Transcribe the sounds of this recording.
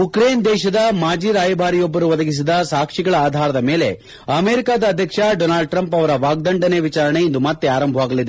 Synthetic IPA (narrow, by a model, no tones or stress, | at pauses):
ukɾeːnd̪ɛːʃɐd̪ɐmaːd͡ʒiːɾaːjɐbʱaːɾijɔbːɐɾuʋɐd̪ɐɡis̬id̪ɐsaːkʂiɡɐɭɐaːd̪ʱaːɾɐd̪ɐme̞ːle̞ | ɐmeːɾikaːd̪ɐːd̪ʱjɐkʂɐɖonaːlɭɖ̚ʈɾɐmpɐʋɐɾɐʋaːɡ̚d̪ɐɳɖɐne̞ʋit͡ʃaːɾɐɳeind̪umɐt̪ːeaːɾɐmbʱɐʋaːɡɐlid̪e̞